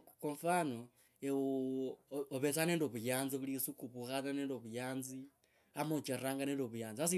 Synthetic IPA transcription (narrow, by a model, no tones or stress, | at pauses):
koɱfano | ewo | oβesaneːndoβujaːnziβulisukuβuxataneːndoβujaːnzi | amot͡ʃerraːŋɡaneːndoβujaːnzias̬i